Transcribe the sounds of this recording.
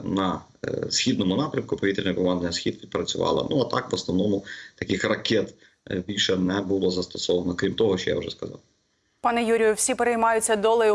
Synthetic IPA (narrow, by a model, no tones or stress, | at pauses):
nɐ | sxʲid̪nɔmʊnɑpɾʲɐmkʊpɔʋʲit̪ɾʲinʲɐkɔmɑnd̪ɐnʲɐsxʲid̪ʋʲid̪̚pɾɐt͡sʲʊʋɑ̰lˠɐ̰nuɐt̪ɑkʋɔsnɔʋnɔmʊt̪ɐkɪxrɐkʲɛt̪ | bʲilʲʃɛnɛbulˠɔzɐst̪ɔsɔʋɐnɔkɾʲimt̪ɔɦɔʃt͡ʃɔja̰wʒɛskɐzɑ̰w | pɑnɛjuɾʲɪjʊwsʲipeɾejmɑjʊt͡sʲːɐd̪ɔlˠɐjʊ